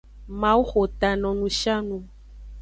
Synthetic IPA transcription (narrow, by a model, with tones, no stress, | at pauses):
mã˨˦wu˦xo˨t̪a˨nɔ̃˨nũ˨˦ʃa˦nũ˧